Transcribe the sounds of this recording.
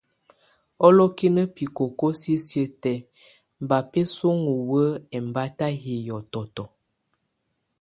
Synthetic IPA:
ɔ˦lɔ˦ki˦nə˦pi˨ko˨ko˦si˦sjə˦tɛ˨ | m̩˨ba˨pe˦so˦ŋu˨wə˦ɛ˨m˨ba˦ta˦ɦi˨jɔ˨tɔ˨tɔ˨

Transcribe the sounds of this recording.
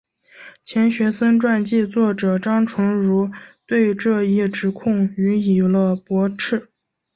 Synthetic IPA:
t͡ɕʰjɛ˧˥nɕɥɛ˧˥sə˥nʈ͡ʂwa˥˧nt͡ɕi˥˧t͡swɔ˥˩ʈ͡ʂɤ˨˩ʈ͡ʂɑ˥ŋʈ͡ʂʰʊ˧˥ŋɻu˧˥t̪we˥˧ɪʈ͡ʂɤ˥˧i˥˩ʈ͡ʂɻ̩˧˥kʰʊ˥˩ŋy˧˥i˨˩lə˧pwɔ˧˥ʈ͡ʂʰɻ̩˥˩

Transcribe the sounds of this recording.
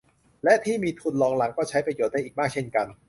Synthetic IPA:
lɛ˦˥ʔt̪ʰiː˥˩miː˧t̪ʰu˧˩nlɔː˧ŋla˩˦ŋkɔː˥˩t͡ɕʰa˦˥jpɾa˧joː˨˩t̪̚da˧jʔiː˨˩maː˥˩k̚t͡ɕʰe˥˩nka˧n

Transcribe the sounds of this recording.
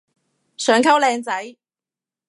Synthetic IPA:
sœː˨˥ŋkʰɐ˥wlɛː˧ŋt͡sɐ˨˥j

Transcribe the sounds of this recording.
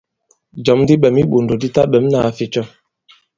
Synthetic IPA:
d͡ʒɔ˨˦mdi˦ɓɛ˨mi˦ɓo˨ndo˨di˦ta˦ɓɛ˨˦m˦na˨a˨fi˨˦t͡ʃɔ˦

